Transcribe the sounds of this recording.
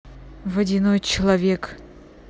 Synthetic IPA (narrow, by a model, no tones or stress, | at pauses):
vɐdʲinojt͡ɕɪlˠɐvʲek